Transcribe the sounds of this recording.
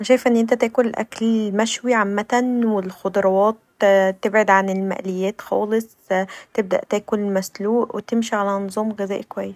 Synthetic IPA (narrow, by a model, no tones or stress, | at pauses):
anæʃæːjfʔenːʔent̪æt̪æːkonlʔæ̰klmæʃwiʕamːæt̪ænwɪlxod̪ˤɑɾˤɑwɑːt̪ | t̪ːebʕed̪ʕanɪlmæ̰ʔlejːæːt̪xɑ̰ːlesˤ | t̪eb̚d̪æ̰ʔt̪æːkonlmæsluːʔwet̪emʃiʕalænzˤɑːmɣezæːʔkowæjːes